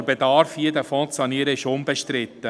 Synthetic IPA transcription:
bedɑːɾfiədæfɔ̃tsɑniːəɾəɪʃʊmbəʃtɾɪtːə

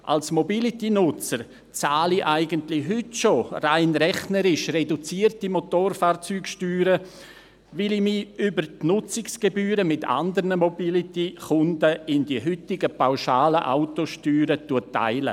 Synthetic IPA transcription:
ʔa̰lsmobilitinʊt͡səɾ | t͡saːliʔaɪɡəntlɪɦʏtʃoraɪnɾɛχnəɾɪʃredut͡siərtimotoːrfaːrt͡syːkʃtyːɾə | vɪlimiybəɾtnʊt͡sɪksɡ̥ebyːɾəmɪta̰ndəɾnəmobilitiχʊndəɪndiəɦʏtɪɡəpawʃaːləʔa̰ʊtoʃtyːɾətuətːa̰ɪlə̰

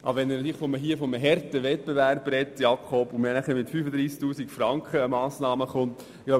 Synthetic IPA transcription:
ʔɑ̰bəʋɛnnɑt̪iːləχfɔməɦiəfɔməɦɛɾt̪əʋɛt̚peʋærbɾɛtːjɑkʰɔbʊmɛnæχəɾmɪt̪fyːfəd̪ɾiːskt̪uːsikfɾɑŋkχəəmɑːsnɑːməχʊnt̪ | ɡloʊ

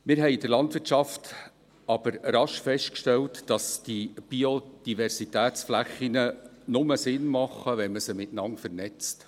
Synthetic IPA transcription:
mɪɾɦɛɪdəlɑntʋɪɾtʃɑft | ɑb̥əɾɾɑʃfɛʃtkʃtɛltd̥ɑsd̥ib̥iod̥ivɛɾsitæːt͡sflæχinənʊməsɪnmɑχːəʋɛnməsəmɪtnɑŋfəɾnɛt͡st

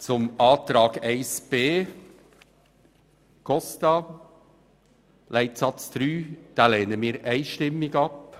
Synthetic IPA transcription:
t͡sʊmɑːt̪ɾɑːɡæɪsb̥eː | kʰɔstɑ | læɪt̪sɑt͡sd̥ɾyːd̥ɑːlɛːnəmiːɾʔæɪʃtɪmːɪɡɑp

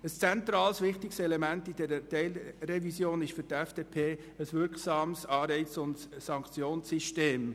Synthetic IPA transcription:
əst͡sɛntɾɑːlsʋɪχtɪksɛlɛmæntid̥ɛɾətɛɪlrɛvisjoːnɪʃfʏɾtɛfd̥epʰeː | əsʋɪɾksɑːmsɑːɾɛɪt͡sʊntsɑŋkt͡sjoːnsiʃteːm

